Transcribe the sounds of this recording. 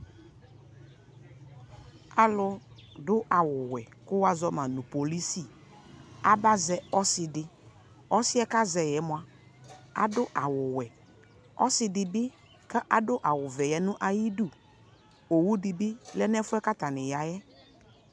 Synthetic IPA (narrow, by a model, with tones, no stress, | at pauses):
a˨lʊ˦dʊ˦ʔa˨wʊ˨wɛ˨ | kʊ˦wa˨zɔ˦mã˨nʊ̃˨po˨li˦si˦˨ | a˦ba˦zɛ˨ɔ˦sɪ˨dɪ˨ | ɔ˦sɪ˦ɛ˦ka˦zɛ˨jɛ˨˦mʊ˦a˨ | a̰˨dʊ˦ʔa˨wʊ˨wɛ˨ | ɔ̰˦sɪ˨dɪ˨bɪ˦ | ka˦ʔa˨dʊ˦ʔa˨wʊ˨vɛ˨jɛ˨nʊ̃˦ʔa˨ji˦du˦˨ | o˨wu˦dɪ˨bɪ˦lɛ˦nɛ˦fʊ˦ɛ˦ka˦t̪a˨nɪ˨ja˨jɛ˦